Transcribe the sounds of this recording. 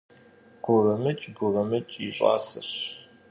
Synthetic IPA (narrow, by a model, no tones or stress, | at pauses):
ɡ̥ʷʊrɐmɨt͡ʃʼɡʷʊrɐmɨt͡ʃʼiɕʷʼɑ̰ːsɐɕ